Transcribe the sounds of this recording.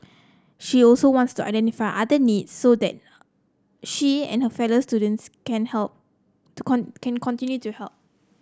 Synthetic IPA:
ʃiɔlsowɔ̃ntstua̰jdɛ̃ntifaɪʔadənidsːodɛ̰t̚ | ʃiɛ̰̃nhəfɛlostudə̃nskɛ̃nhɛlp̚ | tukʰɔ̃kɛ̃nkʰɔ̃ntĩnjutuhɛlp̚

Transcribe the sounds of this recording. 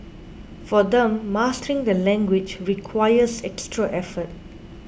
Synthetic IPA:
fɔdɛ̃mːastəɹĩŋdəlɛ̃ŋɡwɪd͡ʒɹikʰwajəsɛkstɹaʔɛfət̚

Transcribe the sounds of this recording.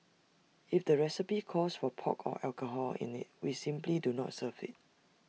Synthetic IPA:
ifdəɹɛsipikʰɔsfɔpʰɔ̰kʰɔ̰ʔɛlkəɦɔlḭ̃nɪ̰t̚wisĩmplidunɔ̰tsəvɪ̰t̚

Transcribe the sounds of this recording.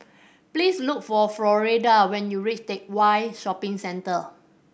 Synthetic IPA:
plisluk̚fɔflɔɹedawɛ̃njuɹit͡ʃtek̚wajʃɔpɪ̃ŋsɛ̃ntə

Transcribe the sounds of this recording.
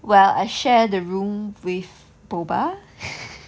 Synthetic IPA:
wɛla̰jʃɛdəɹũmwɪθ | boba

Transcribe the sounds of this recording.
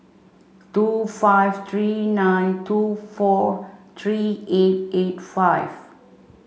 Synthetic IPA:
tufajvt̪ʰɹinãjntʰufɔt̪ʰɹiet̚etfajv

